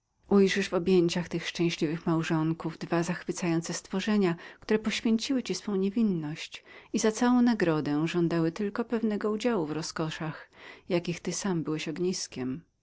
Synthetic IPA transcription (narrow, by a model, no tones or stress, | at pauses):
ʔujʐɘʐvɔbʲjeɲt͡ɕaxt̪ɘxʂt͡ʂɛ̃w̃ɕlʲivɘxmawʐɔŋkuvd̪vazaxfɘt̪sajɔnt̪sɛst̪fɔʐɛɲakt̪uɾɛpɔɕfʲjeɲt͡ɕiwɘt͡ɕisfɔ̃w̃ɲevʲinːɔɕt͡ɕizat̪sawɔ̃w̃naɡɾɔd̪ɛ̃ʐɔnd̪awɘt̪ɘlkɔpɛvnɛɡɔud͡ʑawuvɾɔskɔʂaxjakʲixt̪ɘsambɘwɛɕɔɡɲiskʲɛm